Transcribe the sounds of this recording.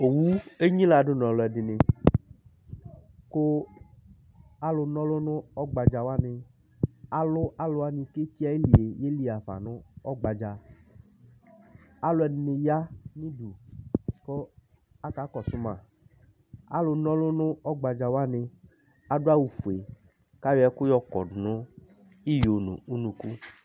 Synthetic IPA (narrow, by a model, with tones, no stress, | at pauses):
o˨wu˦e˦ɲĩ˦la˨ɖʊ˦nɔ̃˨lʊ˨ɛ˨dɪ˨nɪ˨ | ko˦ | a˦lʊ˨nɔ̃˦lʊ˦nʊ̃˦ɔ˦ɡ͡ba˨d͡ʒa˨wa˦nɪ̃˨ | a˨lʊ˦ʔa˦lʊ˨˦a˦nĩ˨ke˦ti˦a˦e˦li˨e˨je˦li˨a˨va̰˨nʊ̃˦ɔ˦ɡ͡ba˨d͡ʒa˨ | a˦lʊ˧˦ɛ˨n˨nɪ˧ja˦nĩ˦du˨kɔ˦ | a˦ka˨˦kɔ˨sʊ˦mã˨ | a̰˦lʊ˧nɔ̃˦lʊ˦nʊ̃˦ɔ˦ɡ͡ba˧d͡ʒa˧wa˦nɪ˧ | a˨dʊ˦a˦wu˨fu˨e˨ | ka˦jɛ˨˦kʊ˦jɔ˧kɔ̰˨dnʊ̃˦ | i˦jo˨nṵ̃˨u˦nũ˧ku˦